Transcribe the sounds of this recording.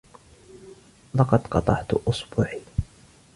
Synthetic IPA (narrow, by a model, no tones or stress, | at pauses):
lɑqɑd̪qɑ̰t̪ˤɑ̰ʕt̪ʔʊsbuːʕiː